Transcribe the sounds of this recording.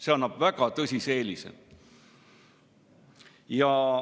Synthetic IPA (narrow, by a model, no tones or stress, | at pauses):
se̞ɑnːɑb̥væɡ̥ɑt̪ɤsʲise̞ːlʲisḛl | jɑ